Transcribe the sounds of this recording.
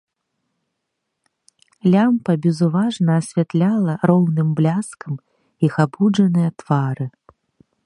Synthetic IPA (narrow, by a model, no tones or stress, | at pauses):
lʲampɐbʲɛzuvaʐnɐːsʲvʲɛt̪lʲalˠɐɾɔwnɨmblʲaskɐm | ixabud͡ʐɐnɨjɐt̪v̥aɾɨ